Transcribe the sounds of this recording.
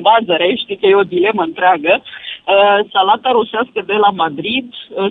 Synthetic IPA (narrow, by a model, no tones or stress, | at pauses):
vazəɾeʃt̪ik̪ejeo̞d̪ile̞məɨnt̪ɾeaɡə | salat̪aɾuseaskəd̪e̞lamad̪ɾid̪ə